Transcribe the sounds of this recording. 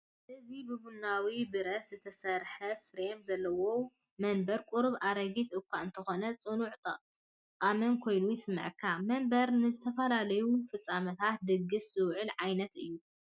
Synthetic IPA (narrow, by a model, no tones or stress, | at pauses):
ʔɨzibɨbunawibɨɾɐszɨt̪ʰɐsɐɾħɐfɾemzɐlːɐwo | mɐnbɐɾkʷʼuɾβʔaɾɐɡit̪ɨkʷːaɨnt̪ʰɐxo̞nɐt͡sʼɨnuʕt̪ʼɐʔʼ | qʼamɐnkʰo̞jnujɪsɨmːɨ̰ʕkʰːamɐmbɐɾnɨzɨt̪ʰɐfɐlalɐjufɨt͡sʼːamɐt̪ʰat̪̚d̪ɨɡːɨszɨwʕɨlʕajnɐt̪ʔɨjːu